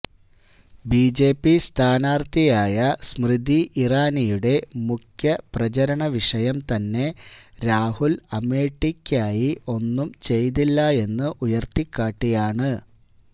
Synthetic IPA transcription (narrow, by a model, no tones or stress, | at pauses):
biːd͡ʑe̞ːpːist̪ʰaːnaːrt̪ijaːjɐsmrɨd̪iʔiraːnijuɽe̞mukʰjɐprɐt͡ɕɐɾɐɳɐʋiʂɐjɐmt̪ɐnːe̞ɾaːhulɐme̞ːʈːikʲːaːjio̞nːumt͡ɕe̞jt̪ilːɐe̞nːɨʔujɐrt̪ikːaːʈːijaːɳɨ